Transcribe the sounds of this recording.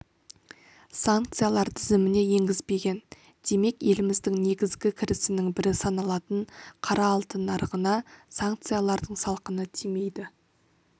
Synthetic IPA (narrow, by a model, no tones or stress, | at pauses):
saŋkt̪sɨjalˠɑɾt̪ʰɪzɪmɪne̞je̞ŋɡʲɪzbe̞ɡʲe̞n | d̪̥e̞me̞kje̞lɪmɪzd̪ɪŋne̞ɡʲɪzɡʲɪkʲʰɪɾɪsɪnɪŋbɪɾɪsɑnɑlˠɑt̪əɴqʰɑɾɑːlˠt̪ənɑɾʁənɑsaŋk̚t̪sɨjalˠɑɾd̪əɴsɑlˠqənət̪ʰime̞jd̪ɪ